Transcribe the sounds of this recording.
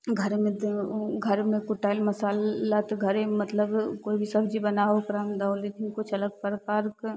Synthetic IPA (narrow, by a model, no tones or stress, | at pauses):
ɡʱəɾmẽd̪ɡʱəɾmẽkʊʈaːlmɐsaːlːat̪ɡʱəɾemɐt̪ləbkoːibʱisɐbd͡ʒibɐnaːɦokɾaːmd̪aʊlid̪ikʊt͡ʃʰɐləɡ̚pəɾpaːɾk